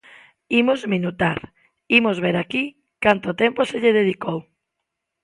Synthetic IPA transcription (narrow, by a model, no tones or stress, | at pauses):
imozminut̪aɾ | imozβeɾaki | kant̪ot̪ɛmposeʎeð̞eð̞ikow